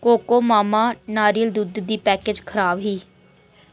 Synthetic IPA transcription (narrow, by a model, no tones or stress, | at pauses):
koːkoːmaːmaːnaːɾiːəld̪ud̪d̪iːpɛːkeːd͡ʒkʰəɾaːbɦiː